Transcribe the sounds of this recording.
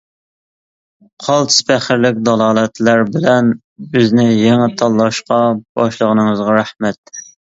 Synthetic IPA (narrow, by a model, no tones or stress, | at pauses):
qʰɑlˠt̪ʰɨ̥spʰæχɪɾlɪkʲd̪ɑlˠɑːlˠɛt̪læɾbɪlɛn | bøznɪjɛŋɛt̪ʰɑlˠːɑʃqɑb̥ɑʃlˠəʁənəŋəzʁɑɾæhmɛt̪̚